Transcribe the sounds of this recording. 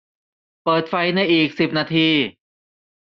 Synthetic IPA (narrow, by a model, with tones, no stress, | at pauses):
pɤː˨˩t̪̚fa˧jna˧jʔiː˨˩k̚si˨˩p̚naː˧t̪ʰiː˧